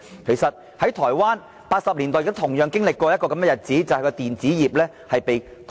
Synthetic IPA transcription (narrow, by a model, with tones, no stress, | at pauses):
kʰe˨˩jsɐ˨t̚ | hɐ˨˥jt̪ʰɔː˨˩jwaː˥n | paː˧t̚sɐ˨p̚liː˨˩nt̪ɔː˨jɪ˨kt̪ːʊ˥t̪ʰʊ˨˩ŋjœː˨˧ŋkɪ˥ŋlɪ˨kːwɔː˧jɐ˥t̚kɔː˧kɐ˨˦mɛ˥˧jɐ˨˩t̚t͡siː˨˥t͡sɐ˨whjkɔː˧t̪iː˨nt͡siː˨˥jiː˨˩p̚lɛː˥ | hɐ˨jpe˨˧jt̪ʰ